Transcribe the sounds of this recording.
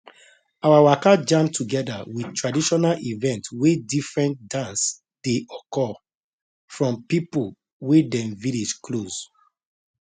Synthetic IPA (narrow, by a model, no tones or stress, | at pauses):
awawakad͡ʒãmtʰuɡɛdawidtɹadiʃɔnalivɛ̃ntwedifɹɛ̃nt̚dãns | d̥eʔɔkɔ | fɹɔ̃mpipul | wedɛ̃mvilid͡ʒkloz